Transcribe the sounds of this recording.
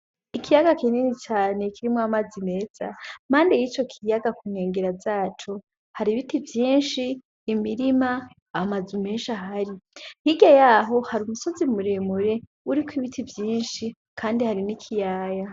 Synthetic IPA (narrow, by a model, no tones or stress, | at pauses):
ikijaɡakininit͡ʃaːnekʰiɾimoamazime̞ːz̥a̰m̥aːndejit͡ʃo̞kʰijaɡakuːnheːŋɡeɾazaːt͡ʃo | haɾiβitivjiːnʃiː | miɾimaː | mazume̞ːnʃaɦaɾihiɡajaɦo̞haɾumuso̞zimuɾemuɾe̞ | uɾikwiβitʰivjiːnʃi | kʰaːndihaɾinikʰijaːja